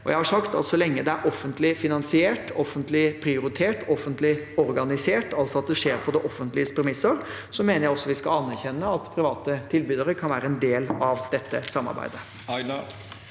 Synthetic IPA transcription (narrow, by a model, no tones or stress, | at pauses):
ɔjæɪhɑʂɑkt̪ɑ̰lsɔlɛŋːəd̪ɛæɾʔɔfːənt̪lɪfɪnɑnsɪeːʈɔfənt̪lɪpʰɾɪʊɾɪt̪ʰeːʈɔfːənt̪lɪɔɾɡɑnɪseːʈʰɑlsɔɑt̪̚d̪ɛʂeːɾpʰɔd̪ɛʔɔfːənt̪lɪəst̪pʰɛɾmɪsəɾ | sɔmeːnəɾjæɪɔsːɔʋɪskɑɑnːæɾçɛnːəɑt̪pʰɾɪʋɑːt̪ət̪ʰɪlbyːd̪əɾəkʰɑnʋæːɾəɛnd̪eːlɑʋd̪̥ɛt̪ʰːəsɑmːɑ̰ɾbæ̰ɪd̪ə